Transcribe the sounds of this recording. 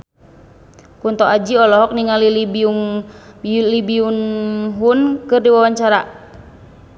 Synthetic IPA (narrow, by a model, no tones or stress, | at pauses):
kunt̪ɔʔad͡ʒiɔlɔɦɔk̚niŋalilibiuŋ | libiunɦunkɨrdiwawaɲt͡ʃaɾa